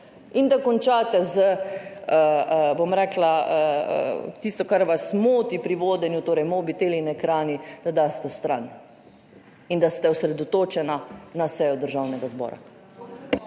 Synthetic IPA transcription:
ind̪akɔnt͡ʃaːt̪ɛzəəəbomɾɛːklaə̰ | t̪ist̪ɔkaɾʋasmoːt̪ipɾiʋoːd̪ɛnjut̪oːɾɛjmoːbit̪eːlinɛkɾaːnid̪ad̪aːst̪ɛst̪ɾan | ind̪ast̪ɛusɾɛd̪ɔt̪oːt͡ʃɛnanasɛjɔd̪əɾʒawnɛɡazbɔ̰ːɾa̰

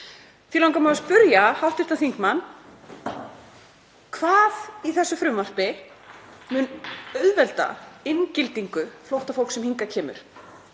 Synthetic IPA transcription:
θilawŋkamaðaspʏɾjahaw̪̥t̪ɪ̥t̪anθiŋkmanː | kʰvaːðiθɛsːʏfɾʏmvar̥pɪ | mʏnœɥðvɛlt̪a̰ɪncɪlt̪iŋkʏflowht̪afowlksɛmhiŋkacʰɛːmʏ̰ɾ̥

